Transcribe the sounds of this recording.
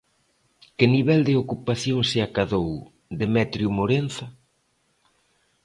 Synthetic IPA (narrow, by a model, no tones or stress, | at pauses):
kɪniβ̞ɛld̪ɪokupaθjoŋsɪakaðow | d̪emɛt̪ɾjumoɾen̟θa